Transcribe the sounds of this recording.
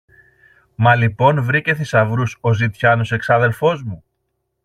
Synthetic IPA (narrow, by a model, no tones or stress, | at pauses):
mɐlipo̞nvɾice̞sisɐvɾuso̞zit̪çɐno̞se̞ksɐðe̞lfo̞zmu